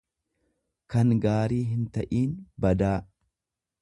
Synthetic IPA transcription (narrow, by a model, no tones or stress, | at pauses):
kɐŋɡaːɾiːɦɪnt̪ɐʔiːnbɐd̪aː